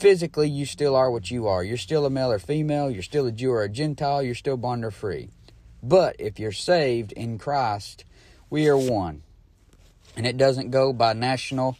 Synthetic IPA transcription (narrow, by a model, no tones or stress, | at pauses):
fɪzɨklijɨstɪlˠə˞wʌt͡ʃɨə˞jə˞stɪlˠəmeɪlˠə˞fimeɪlˠjə˞stɪlˠɨd͡ʒʉə˞ɨd͡ʒɛ̃ntʰaɪlˠjə˞stɪlˠbɑ̃ndə˞fɹḭbʌɾɪfjə˞seɪvdɪ̃nkʰɹ̥aɪst̚ | wiə˞wʌ̃n | ɨ̃nɨt̚d̥ʌzɨ̃nɡ̥oʊbaɪnæʃn̩l̩ˠ